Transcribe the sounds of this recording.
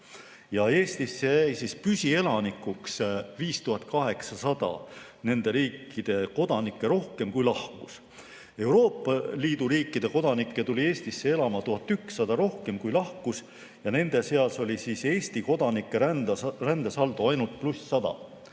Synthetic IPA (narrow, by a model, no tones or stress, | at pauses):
jɑe̞ːst̪isːe̞jæjsispysʲie̞lɑnikːuksviːst̪uɦɑt̪̚ːˑkɑɦe̞ksɑsɑd̪̥ɑ̰ | ne̞nd̪e̞ɾiːkˑːid̪̥e̞ko̞d̪̥ɑnikːe̞ɾo̞hke̞mkujlɑhkus | e̞wɾo̞ːpːˑɑliːd̪̥uɾiːkːˑid̪̥e̞ko̞d̪̥ɑnikːe̞t̪ulʲie̞ːst̪isːee̞lɑmɑt̪uɦɑt̪ːˑyksːɑd̪̥ɑɾo̞hke̞mkujlɑhkus | jɑne̞nd̪̥e̞se̞ɑlso̞lʲisise̞ːsʲt̪iko̞d̪̥ɑnikːˑerænd̪esɑld̪uɑjnult̪̚plusːɑd̪̥ɑ̰